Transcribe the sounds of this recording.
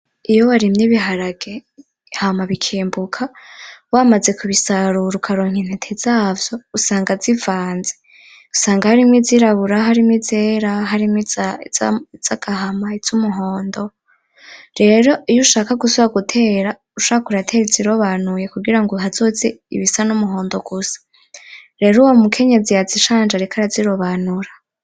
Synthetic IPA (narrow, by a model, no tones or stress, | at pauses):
ijowaɾimɲiβiɦaɾaɡe | hamaβikʰiːmbukʰawaːmaze̞kuβisaɾuɾukʰaɾoːŋ̥in̥etʰezaːvjo̞usaːŋɡazivaːnze | usaːŋɡahaɾimwiziɾaβuɾaɦaɾimŋizeɾaɦaɾimŋi | z̥aɡ̥aɦamaiz̥umuɦo̞ːndo̞ | ɾe̞ɾoijuʃaːkaɡusoβaɡutʰe̞ːɾa | uʃaːkakuɾatʰe̞ːɾiziɾo̞βaːnuje̞kuɡiɾaŋɡoɦazozeḭβisanumuɦo̞ːndo̞ɡ̥usḁ | ɾe̞ɾuwomukʰe̞ɲe̞zijaziʃaːnd͡ʒaɾekʰaɾaziɾo̞βaːnuɾa